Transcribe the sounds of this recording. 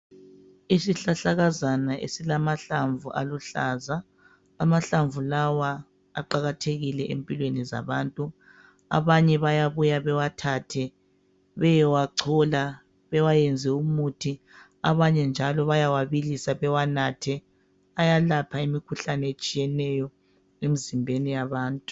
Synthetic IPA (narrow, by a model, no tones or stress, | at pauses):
isiɬaɬaɣazanaʔḛsilamaɬaɱvuʔa̰luɬaːzaː | maɬaɱvulawa | aǃaɣatʰeɣilɛʔempʼilweniza̰βaːntʼu | a̰βaɲɛβajaβujaβɛwatʰaːtʰɛ | βɛjɛwaǀʰɔla | βɛwajɛnd͡zʱɛumutʰi | a̰βaɲɛnd͡ʒʱalɔβajawaβilisaβɛwanatʰɛ | ajalapʰaimikʰuɬanɛet͡ʃʼijɛnɛjɔ | emizimbʱenijaβaːntʼu̥